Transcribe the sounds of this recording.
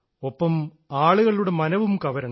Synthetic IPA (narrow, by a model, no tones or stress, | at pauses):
opːɐm | aːɭuɣɐɭiluɽe̞mɐnɐʋumkɐʋɐɾɐn